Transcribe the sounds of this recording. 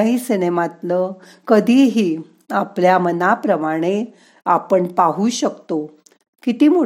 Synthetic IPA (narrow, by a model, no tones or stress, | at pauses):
aɦisinemat̪lə | kəd̪ʱiːɦiː | apljamənapɾəmaɽ̃e | apəɳpaɦuɕəkt̪o | kit̪iːmu